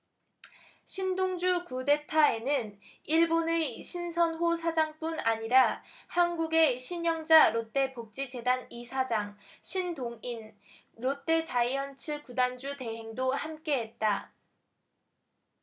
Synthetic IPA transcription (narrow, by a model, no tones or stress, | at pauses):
ɕʰindoŋd͡ʑukude̞tʰae̞nɯn | iɭboneɕʰinsʰʌnɦosʰad͡ʑaŋp͈unaɲiɾahanɡuɡe̞ɕʰiɲjʌŋd͡ʑaɾot͈e̞pok̚t͡ɕ͈id͡ʑe̞danisʰad͡ʑaŋɕʰindoŋin | ɾot͈e̞t͡ɕaiʌnt͡ɕʰɯkudand͡ʑute̞ɦe̞ŋdohamk͈e̞ɦet̚t͈a